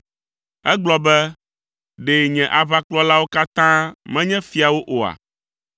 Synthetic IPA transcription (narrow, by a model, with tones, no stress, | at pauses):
ɛ˦ɡ͡blɔ˨bɛ˦ | ɖe˨ɲɛ̃˨ʔa˨βa˦k͡plɔ˦la˦wo˦ka˦t̪ã˦mɛ̃˦ɲɛ̃˦fi˨a˨wo˦ʔo˨a̰˨